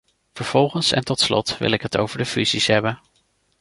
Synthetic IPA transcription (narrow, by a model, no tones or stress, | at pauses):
v̥əɹv̥ɔlˠχənsɛ̰ntɔtslɔ̰tʋɪ̰lɪkɦəto̰wvəɹdəfyzisɦɛbən